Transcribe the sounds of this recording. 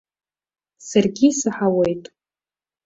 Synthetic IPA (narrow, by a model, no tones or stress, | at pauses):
sarɡʲisɨħawejtʼ